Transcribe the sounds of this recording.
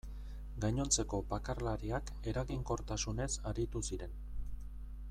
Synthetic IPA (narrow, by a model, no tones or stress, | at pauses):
ɡajɲo̞nt͡se̞ko̞pakarlaɾiak | e̞ɾaɣiŋko̞ɾt̪asune̞saɾit̪usiɾe̞n